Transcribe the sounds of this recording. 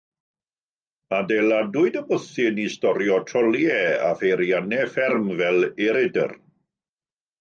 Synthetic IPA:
adejladʊɨdəbʊθɪnistɔɾjɔtʰrɔlˠjɛa̰fejɾianɛfɪrmvɛliɾɪdə̰r

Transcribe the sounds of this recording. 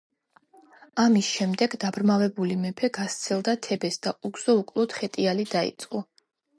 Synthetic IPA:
amisʃɛmd̪ɛɡd̪abɾmavɛbulimɛpʰɛɡast̪sʰɛlˠd̪at̪ʰɛbɛsd̪̥auɡz̥ɔukʼlˠɔt̪χɛt̪ʼialid̪aḭt̪sʼqʼɔ

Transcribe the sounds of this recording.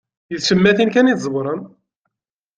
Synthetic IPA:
jəðsəmːæθinkæniθzˤəwɾˤən

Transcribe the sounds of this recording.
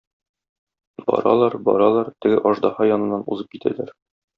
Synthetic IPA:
bɒ̰ɾɑ̰lˠɑɾbɒ̰ɾɑlˠɑɾt̪ɘ̆ɡɘʔɒʒd̪ɑhɑjɒnɤ̆nːɑnṵzɤp̚kit̪æ̰læɾ

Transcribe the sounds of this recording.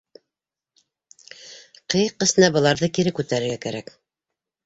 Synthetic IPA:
qɤjqːɘ̆sɘ̆næbɤ̆lˠɑɾðɤkiɾɘkʉt̪æɾɘ̆ɾɡækæɾæk

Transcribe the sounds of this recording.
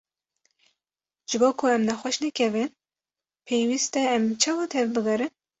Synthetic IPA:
ʒ̥ɨboːkʰʊɛmnɛxwɛʃnɛkʲʰɛvɨn | pʰejwist̪ɛɛmt͡ʃʰɑːwɑt̪ʰɛvbɨɡɛɾɨn

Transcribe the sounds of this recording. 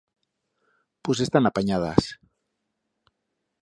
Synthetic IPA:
posest̪anapaɲað̞a̰s

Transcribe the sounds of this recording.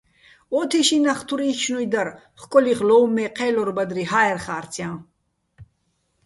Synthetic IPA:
ɔːt̪ʰiʃinaχt̪ʰuɾiːt͡ʃʰnujd̪aɾ | χkʼɔliχlɔwmːɛqʰɛlɔɾbad̪ɾiɦaɛrχaːɾt͡sʰjan

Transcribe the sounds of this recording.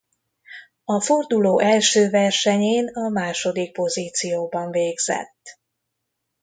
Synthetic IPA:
ɒford̪uloːʔɛlʃøːvɛrʃɛɲeːnɒmaːʃo̞d̪ik̚po̞ziːt̪sijoːbɒɱveːɡz̥ɛ̰t̪ː

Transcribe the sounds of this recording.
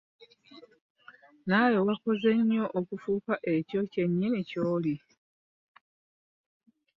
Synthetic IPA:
najowako̞ze̞ɲːo̞ʔokufuːkaʔe̞co̞ceɲːenicoːli

